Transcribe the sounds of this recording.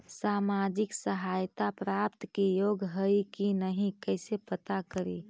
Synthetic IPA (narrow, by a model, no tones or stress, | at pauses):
saːmad͡ʒɪksəɦaːjt̪apɾaːpt̪kijoːɡɦəikinəɦĩkəɪsepət̪akəɾḭ